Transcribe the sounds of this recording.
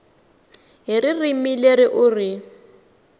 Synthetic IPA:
ɦiririmileɾiʔʊri

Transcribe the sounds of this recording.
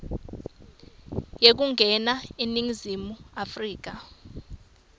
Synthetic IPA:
jek̬uŋʱɛnaeniŋizimuafriːk̬a

